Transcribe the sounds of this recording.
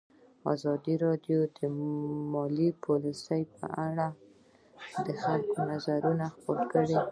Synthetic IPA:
ɑ̰zɑd̪iɾɑdjod̪əmɑlipʰolisəjpə̰ʔaɽa | d̪əxalkonazaɾunaxpoɾkəɽe

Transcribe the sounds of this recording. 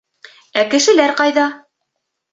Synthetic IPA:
ækɘ̆ʃɘ̆læɾqɑjðɑ

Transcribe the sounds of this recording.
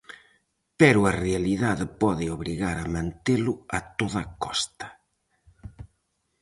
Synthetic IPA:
pɛɾʊarealiðaðɪpɔðɪoβɾiɣaɾamãnt̪elʊat̪oðɐkɔst̪ɐ̥

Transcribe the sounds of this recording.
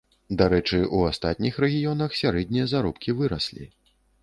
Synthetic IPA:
d̪aɾɛt͡ʂɨʔuast̪at̪ʲnʲixɾɛɣʲijɔnɐxsʲaɾɛd̪ʲnʲijɐzaɾɔpkʲivɨɾɐ̰sʲlʲḭ

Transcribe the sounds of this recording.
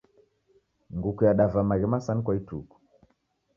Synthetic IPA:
ŋɡukujaɗavamaɾimasankwaituku̥

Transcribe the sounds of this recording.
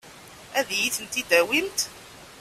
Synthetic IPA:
æðjiθənt̪id̪æwilt̪

